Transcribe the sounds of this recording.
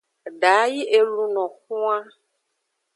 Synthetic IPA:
ɖa˨˦ji˦ʔe˨lũ˨nɔ̃˨xu˦a˦

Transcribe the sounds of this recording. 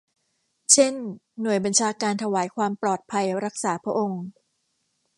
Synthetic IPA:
t͡ɕʰe˥˩nːu˨˩əjba˧nt͡ɕʰaː˧kaː˧nt̪ʰa˧waː˩˦jkʰwaː˧mplɔː˨˩t̪̚pʰa˧jɾa˦˥k̚saː˩˦pʰɾa˥ʔo˧ŋ

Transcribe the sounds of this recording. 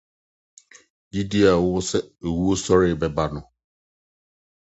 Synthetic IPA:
di˦di˦a˨wʊ˦sɛ˦e˨wu˦o˦sɔ˦ɾɪ˦˨bɛ˨ba˦nʊ̃˨

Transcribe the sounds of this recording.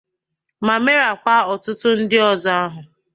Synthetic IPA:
ma˨me˦ɾa˨k͡pa˦ɔ˨tʊ˦tʊ˦n̩˦dɪ˦ɔ˨za˦a˦ɦʊ˨

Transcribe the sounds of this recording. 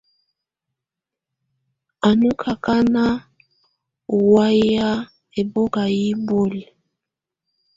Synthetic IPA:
a˨nu˦kʰa˨ka˦na˦ | u˨wa˦ja˦ | e˨bo˦ɡa˨ji˦bo˦li˨

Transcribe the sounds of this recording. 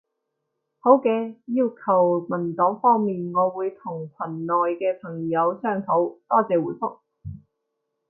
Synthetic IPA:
ho˨˥wkɛː˧jiː˧wkʰɐ˨˩wmɐ˨˩nt̪ɔ˨˥wfɔː˥ŋmiː˨nŋɔː˨˧wuː˨˧jt̪ʰʊ˨˩ŋkʷʰɐ˨˩nːɔː˨jkɛː˧pʰɐ˨˩ŋjɐ˨˧wsœː˧ŋt̪ʰo˨˥wt̪ɔː˥t͡sɛː˨˧wuː˨˧˥jfʊ˥k̚

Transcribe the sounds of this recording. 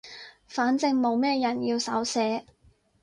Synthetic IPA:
faː˨˥nt͡sɪ˧ŋmo˨˧wmɛː˥jɐ˨˩njiː˧wsɐ̰˨˥wsɛː˨˥

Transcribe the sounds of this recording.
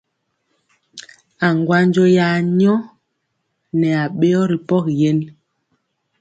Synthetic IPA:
a˨ŋɡwa˦ɲd͡ʒo˦ja˨˦ɲɔ˦ | nɛ˨a˨ɓe˦ɔ˦ɾi˨pɔ˦kjɛ˦n

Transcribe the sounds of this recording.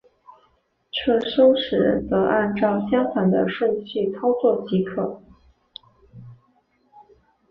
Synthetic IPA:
ʈ͡ʂʰɤ˥˩ʂo˥ʊʂɻ̩˨˩ɻə̰˧˥nt͡sɤ˧˥ʔa˥˧nʈ͡ʂɑ˥˩ʊɕjɑ˥ŋtʰwa˨˩nd̪ə̰˧ʂwə˥˧nɕʰy˥˩t͡sʰɑ˥ʊt͡swɔ˥˩t͡ɕi˧˥kʰɤ˥˨˩

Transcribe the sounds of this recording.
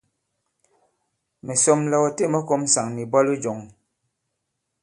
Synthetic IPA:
mɛ˨so˦mlɔ˦ɣɔ˨te˦˨mɔ˦ko˦m˦sa˨ŋni˨bɔ˦lu˦d͡ʒo˨ŋ

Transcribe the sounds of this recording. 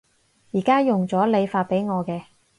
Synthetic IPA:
jiː˨˩kaː˥jʊ˨ŋt͡sɔː˨˥le˨˧jfaː˧t̚pe˨˥jŋɔː˨˧kɛː˧

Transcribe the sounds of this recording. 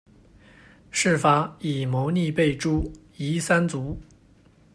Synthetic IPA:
ʂɻ̩˥˩fa˧˥i˨˩mɔ˧˥ʊni˥˧pe˥˩ɪʈ͡ʂu˥ | i˧˥sa˥nt͡su˧˥

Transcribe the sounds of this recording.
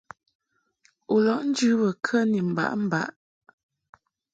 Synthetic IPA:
u˨lɔ˨ʔn̩˦d͡ʒʉ˦bə˨kʰə˦ni˨m̩˨ba̰˨ʔm̩˦ba̰˨˦ʔ

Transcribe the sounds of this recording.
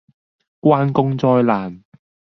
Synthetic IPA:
kwaː˥nkʊ˥ŋt͡sɔː˧jlaː˨˩n

